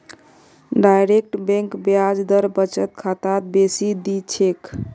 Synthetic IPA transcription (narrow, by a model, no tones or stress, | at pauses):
ɖajɾek̚ʈbɛ̃ŋkbjad͡ʒd̪əɾbət͡ʃət̪kʰat̪at̪̚besid̪it͡ʃʰek